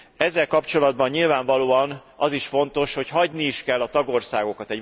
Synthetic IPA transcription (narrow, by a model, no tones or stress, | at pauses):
ɛzːɛlkɒpt͡ʃo̞lɒd̪̚bɒɲːilvaːɱvɒloːɒnɒziʃfo̞nt̪o̞ʃho̞chɒɟniiʃkɛlːɒt̪ɒɡo̞rsaːɡo̞kɒt̪ɛɟ